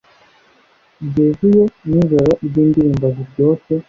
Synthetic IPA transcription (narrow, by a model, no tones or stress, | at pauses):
ɟezujoɲuzaɾaʔiɾɟiːndiɾiːmbaziɾɟo̞ːse